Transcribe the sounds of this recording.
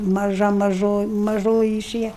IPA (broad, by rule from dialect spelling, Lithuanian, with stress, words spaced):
mɐˈʒɐ mɐˈʒoː mɐˈʒoːjɪ ɪˈʃʲeːjɛ